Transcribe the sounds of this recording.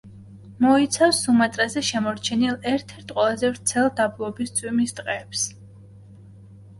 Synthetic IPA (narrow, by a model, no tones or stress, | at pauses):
mɔit̪sʰafsumat̪ʼɾazɛʃɛmɔɾt͡ʃʰɛnilˠɛɾt̪ʰɛɾt̪ʰqʼwɛlˠazɛvɾt̪sʰɛlˠd̪ablˠɔbist̪sʰʼwimist̪ʼqʼɛːps